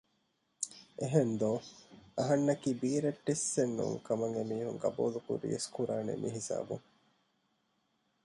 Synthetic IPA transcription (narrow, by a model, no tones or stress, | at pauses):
ʔeɦend̪oːɐɦɐnːɐkiːbiːɾeʈːisːenːṵŋkɐmɐŋɡemiːhuŋɡɐ̰bṵːlukṵɾḭeskuɾaːnḛmʔiɦisa̰ːbṵŋ